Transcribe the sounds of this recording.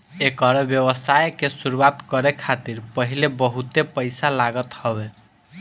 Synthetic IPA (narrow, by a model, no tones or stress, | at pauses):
ekəɾɔbjəβəsajkesuɾuwat̪kəɾekʰat̪iɾpəɦilebəɦut̪epəjsalaɡət̪hɔbe